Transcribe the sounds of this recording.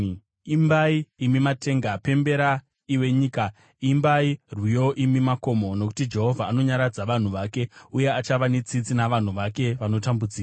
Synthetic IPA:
imbaiːmimate̞ːŋɡape̞mbe̞ɾa | iwe̞ɲiːka | imbairwijo̞ʔimimako̞mo̞no̞k̬u̥tid͡ʒe̞ɦo̞vʱaːno̞ɲaɾad͡zaʋan̤uʋake̞uje̞at͡ʃaʋanet͡sit͡sinaʋan̤uʋake̞ʋano̞tambud͡ziːra

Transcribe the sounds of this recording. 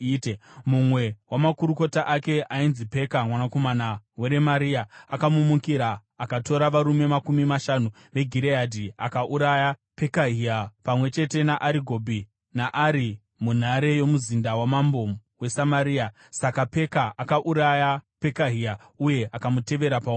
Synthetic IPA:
temumwe̞wamakuɾuko̞taʔake̞ʔainzipe̞kamwanako̞manaweɾemaɾiaakamumukiɾaː | kato̞ɾaʋaɾume̞makumimaʃanu | ʋe̞ɡʱiɾeadʱiakaʔuɾajape̞kaɦiapamwe̞t͡ʃe̞te̞naʔaɾiɡʱobʱi | naʔaɾi | mun̤aɾe̞jo̞muzindawamambo̞we̞samaɾiːa | sakape̞kaʔakaʔuɾajape̞kaɦia | uje̞akamute̞ʋe̞ɾapa

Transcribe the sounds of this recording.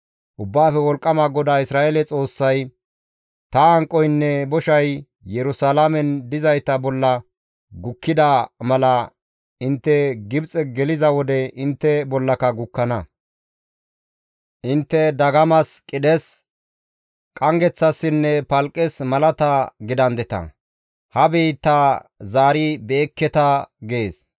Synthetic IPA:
ʔʊbːaːfɛwɔlkʼːɐmaɡɔd̪aːɪsɾaːʔelɛt͡sʼo̞ːsːɐj | t̪ɐːŋkʼːɔjnːɛbɔʃɐj | jɛɾʊsalamɛnd̪ɪzɐjt̪ɐbɔlːɐ | ɡʊkːɪd̪ɐmɐlɐ | ɪnt̪ːɛɡɪbt͡sʼɛɡɛlɪzɐwɔd̪ɛɪnt̪ːɛbɔlːɐkɐɡʊkːɐnɐ | ʔɪnt̪ːɛd̪ɐɡɐmɐskʼɪd̪ɛs | kʼɐŋɡɛt͡sːɐsːɪnːɛpɐlkʼːɛsmɐlɐt̪ɐɡɪd̪ɐnd̪ɛt̪ɐ̰ | hɐbiːt̪ːɐzaːɾɪbe̞ːkːɛt̪ɐɡe̞ːs

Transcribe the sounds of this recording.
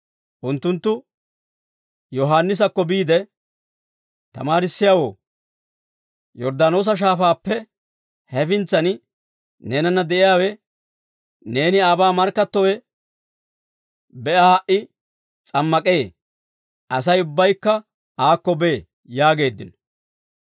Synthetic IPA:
ʔʊnt̪ːʊnt̪ːʊ | jɔɦaːnːɪs̬ɐkːɔbiːd̪ɛ | t̪ɐ̰maːɾɪsːɪjaːwo̰ː | jɔɾd̪ano̞ːs̬ɐʃ̬aːfaːpːɛ | hɛfɪnt͡sːɐn | ne̞ːnɐnːɐd̪ɛʔɪjaːwɛ | ne̞ːnɪaːbaːmɐɾkːɐt̪ːɔwɛ | bɛʔahɐʔɪ | t͡sʼɐmːɐkʼe̞ː | ɐs̬ɐjʊbːɐjkːɐ | aːkːɔbe | jaːɡe̞ːd̪ːɪ̰n

